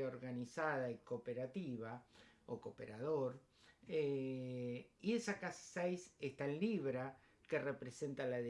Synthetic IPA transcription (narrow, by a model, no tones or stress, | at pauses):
oɾɣanisaðaikopeɾat̪iβaokopḛɾaðoɾ | e | iesakassejsest̪aenliβɾa | kerepɾese̞nt̪alað